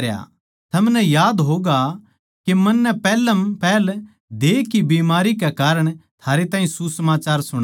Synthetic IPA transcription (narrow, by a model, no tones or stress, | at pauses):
ja̰ | t̪ʰɐmnɛjaːd̪ɦoːɡa | kemɐnːɛpɛːləmpɛːl | d̪eːkibiːmaːɾikɛkaːɾəɽ̃t̪ʰaːɾet̪ãːɦĩsusɐmaːt͡ʃaːɾsʊɽ̃